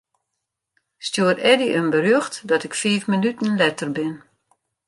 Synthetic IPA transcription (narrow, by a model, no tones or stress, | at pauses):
stjuərɛdiʔənbərøxtdɔtɪkfiːfmənytən̩lɛtərbɪn